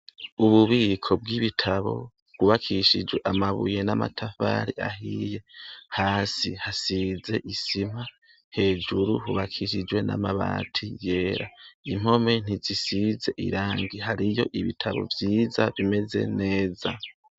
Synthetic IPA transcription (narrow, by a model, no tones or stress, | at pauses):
uβuβiːkʰo̞b̚ɡiβitʰaβo̞̰ | ɡ̥uβakʰiʃid͡ʒwe̞ʔamaβṵje̞nama̰tʰafa̰ːɾiʔa̰ɦije̞haːsihasize̞ʔisim̥a | he̞ːd͡ʒuɾuɦuβakʰiʃid͡ʒwe̞na̰maβa̰ːtʰije̞ːɾaim̥ho̞me̞n̥izisize̞ʔḭɾaːŋɡiɦaɾijo̞̰ʔiβḭtʰaβo̞̰vjiːzaβime̞ze̞̰ne̞ːza